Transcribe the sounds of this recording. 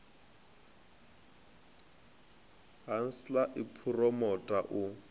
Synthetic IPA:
ɦan̩slaʔɪpʰurɔmɔtʼaʔʊ

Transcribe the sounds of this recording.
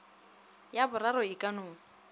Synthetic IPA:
jabʊraɾɔɪkʼanʊːŋ̩

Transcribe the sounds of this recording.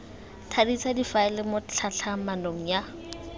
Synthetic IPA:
tʰadit͡sadifaɪlɪmʊt͡ɬʰaɬʰamanoŋ̩ja

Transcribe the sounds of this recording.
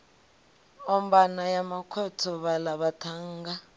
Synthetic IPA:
ɔm̩banajamakʰɔtʰɔβalaβatʰaːŋɡa

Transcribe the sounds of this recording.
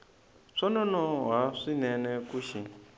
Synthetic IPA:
ʂɔnɔnɔɦaʂinɛnɛkuʃi

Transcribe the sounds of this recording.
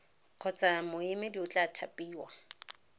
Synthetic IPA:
q͡χʰɔt͡sʼamʊɪmɪdiʊt͡ɬʼatʰapʼiːwa

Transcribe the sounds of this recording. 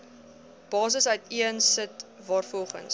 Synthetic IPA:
b̥ɑːs̬əsœɥtiənsətvɑːrfɔlˠχə̰ns

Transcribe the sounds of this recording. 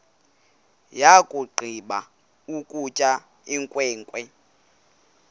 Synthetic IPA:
jakʼuɡ͡ǃʱiɓa | ukʼut͡ʃʼa | iŋkʼwɛːŋkʼwɛ

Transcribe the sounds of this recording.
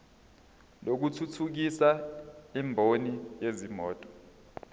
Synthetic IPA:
lok̬utʰutʰuk̬isaimbʱonijezimɔːtʼɔ̥

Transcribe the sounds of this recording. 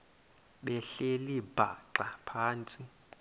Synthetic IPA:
ɓɛɬelib̥ʱa̰ǁapʰaːnt͡sʼi

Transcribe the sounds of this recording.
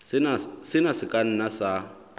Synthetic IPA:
nasɪnasɪkʼan̩nasa

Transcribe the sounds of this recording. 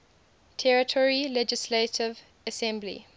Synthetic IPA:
tʰɛɹətʰɔɹilɛd͡ʒɪsletʰɪv | əsɛ̃mblḭ

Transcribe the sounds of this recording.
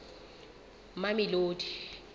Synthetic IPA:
mamiloːdʰʱʼi̥

